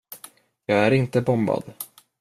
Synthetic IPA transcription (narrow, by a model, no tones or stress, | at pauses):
jɑːɡæɾɪnt̪əbɔmba̰d̪̥